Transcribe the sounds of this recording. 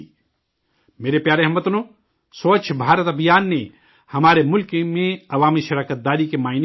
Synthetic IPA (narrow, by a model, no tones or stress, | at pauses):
meːɾepjaːɾeɦɐmːət̪nõː | soːt͡ʃʰbʱaːɾət̪ɐbʱjaːnːe | hɐmaːɾemʊlkmẽɐʋaːmiʃɐɾaːkət̪̚d̪aːɾikemaːɪn